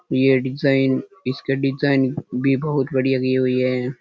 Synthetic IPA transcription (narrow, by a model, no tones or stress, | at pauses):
jeɖɪzaːɪn | ɪskeɖɪzaːɪnbʱibɐɦʊt̪bɐɽijaɡiɦʊiɦɛ